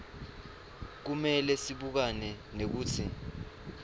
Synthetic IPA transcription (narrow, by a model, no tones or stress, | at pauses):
k̬umɛlɛsiɓuk̬anɛ | nek̬uːtʰḭ